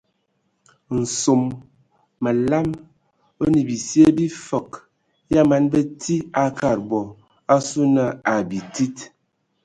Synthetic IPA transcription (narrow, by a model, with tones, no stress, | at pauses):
n̩˨so˨mː | ə˨la˦m | o˦ni˨bi˨sje˦bi˦fə˨k | ja˦ma˨˦nbə˦tʰi˦a˦ka˦˨ɾbɔ˨ | a˦su˦nə˨a˨bi˨ti˦t